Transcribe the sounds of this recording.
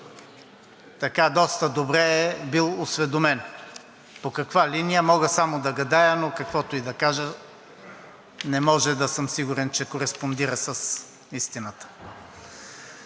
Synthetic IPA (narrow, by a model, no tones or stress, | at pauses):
t̪ɐkad̪ɔst̪əd̪obɾɛːbilˠosvɛd̪omɛn | pokɐkvalinijəmɔɡəsamod̪ɐɡɐd̪ajənokɐkvɔt̪oid̪ɐkaʒə | nɛmɔʒɛd̪ɐsɤmsiɡʊɾɛnt͡ʃɛkoɾɛspond̪iɾəsəs | ist̪inət̪ə̥